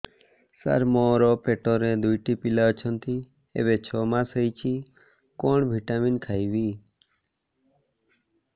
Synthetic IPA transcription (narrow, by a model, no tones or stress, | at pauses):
sa̰ɾmɔɾɔpeʈɔɾẽd̪ujʈipilaɔt͡ʃʰɔnt̪ʰi | ḛβet͡ʃʰɔmãsəjt͡ʃʰi | kɔɳbʱiʈaminkʰajʋi